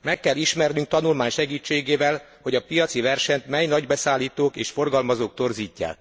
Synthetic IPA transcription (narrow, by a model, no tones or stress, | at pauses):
mɛkːɛlːiʃmɛrnyŋk̚t̪ɒnulmaːɲʃɛɡiːt͡ʃːeːɡeːvɛl | ho̞ɟɒpijɒt̪sivɛrʃɛɲt̪mɛjnɒɟbɛsaːlːiːt̪oːkeːʃfo̞rɡɒlmɒzoːk̚t̪o̞rziːcːa̰ː